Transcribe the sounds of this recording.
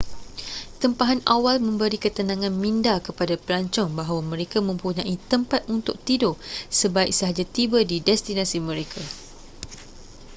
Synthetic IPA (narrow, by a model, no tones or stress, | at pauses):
t̪əmpaɦanawalmə̃mbəɾikət̪ənãŋãnmĩndakəpadapəlaɲt͡ʃɔŋbaɦawamə̃ɾekamə̃mpuɲãʔit̪əmpat̪̚unt̪ʊk̚t̪idosəbaɪk̚səɦad͡ʒat̪ibədidɛst̪inãsimə̃ɾekʰa